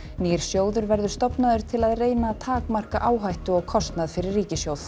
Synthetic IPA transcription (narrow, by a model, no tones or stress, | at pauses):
niːɾ̥sjoːwðʏɾvɛɾðʏst̪ɔpnaðʏɾ̥t̪ʰɪlaðreːjnat̪ʰaːkmar̥kaʔaːwɦajht̪ʏɔɣkʰɔst̪naðfɪɾɪrːiːcɪsjowð̥